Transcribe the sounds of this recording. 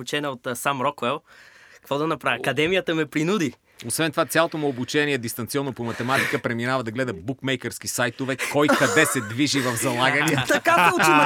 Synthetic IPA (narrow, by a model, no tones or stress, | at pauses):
ut͡ʃɛnɐot̪samɾɔkvɛlˠkɐkvɔd̪ɐnɐpɾavʲiɐkɐd̪ɛmijət̪əmɛpɾinud̪i | osvɛnt̪ovat̪sjalˠot̪omuobut͡ʃɛniɛd̪ist̪ɐnt̪siɔnːopomɐt̪ɛmat̪ikəpɾɛminavɐd̪ɐɡlɛd̪əbukmɛjkəɾskisajt̪ʊvɛkɔjkɐd̪ɛsɛd̪viʒivɐfzɐlˠaɡəniət̪ɐkai